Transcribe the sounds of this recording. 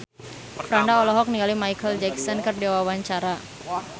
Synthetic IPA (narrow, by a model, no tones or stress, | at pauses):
pɾandaɔlɔɦɔk̚niŋalimajkəld͡ʒɛksɔnkərdɛwawaɲt͡ʃaɾa